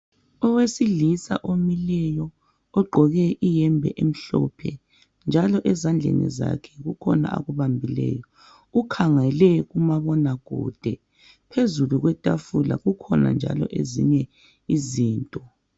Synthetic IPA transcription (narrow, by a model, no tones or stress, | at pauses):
ɔwesiɮisa̰ʔomilɛjɔ | ɔɡ͡ǃʱɔɣɛʔijɛmbʱɛʔem̩ɬɔpʰɛ | nd͡ʒʱalɔʔɛzand͡ɮʱḛnḭza̰kʰɛ̥ɣukʰɔna̰ʔa̰ɣuβambʱilɛ̰jɔ | ukʰaŋɛlɛɣumaβɔnaɣ̥ṵːd̥ʱɛ | pʰezuluɣwɛtʼafula̰ɣukʰɔna̰nd͡ʒʱa̰lɔ̰ʔezḭɲɛ | iziːntʼɔ